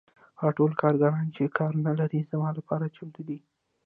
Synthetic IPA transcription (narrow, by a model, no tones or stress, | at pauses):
ɣɑʈolkʰɑɾɡaɾɑnt͡ʃekʰɑɾnalaɾizmɑlapɑɾat͡ʃamt̪ud̪i